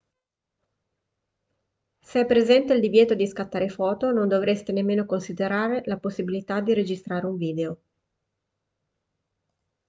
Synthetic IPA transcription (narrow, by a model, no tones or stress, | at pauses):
seɛpːɾezɛnt̪eild̪ivjɛːt̪od̪iskat̪ːaːɾefɔːt̪onond̪ovɾest̪enemːeːnokonsid̪eɾaːɾelaposːibilit̪ad̪ːiɾed͡ʒist̪ɾaːɾeuɱviːd̪eo